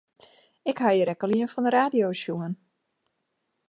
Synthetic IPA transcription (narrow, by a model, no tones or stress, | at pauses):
ɪkhajəɾɛkəliənfɔndəɾaːdijoːsjuən